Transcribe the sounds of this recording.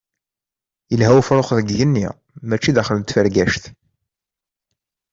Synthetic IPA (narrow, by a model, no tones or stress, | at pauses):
jəlɦæwfɾˤoχðəɡjənːi | mæt͡ʃːiðæχləmt̪fəɾɡæʃθ